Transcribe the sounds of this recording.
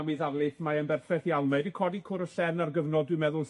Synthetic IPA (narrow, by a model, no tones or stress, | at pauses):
wiːðavlˠɪθmaənbɛrθfɛθjalˠmejdikʰɔdikʰʊɾəɬɛrnarɡəvnɔdwɪmɛðʊlˠ